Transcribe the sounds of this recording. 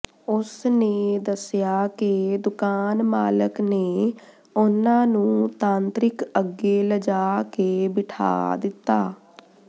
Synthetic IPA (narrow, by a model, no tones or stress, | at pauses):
ʊsneːd̪əsɪjaːked̪ʊkaːnmaːləkneː | ʊnãːnũːt̪ãːnt̪ɾɪkəɡeːləd͡ʒaːkeːbɪʈʰa̰ːd̪ɪt̪ːaː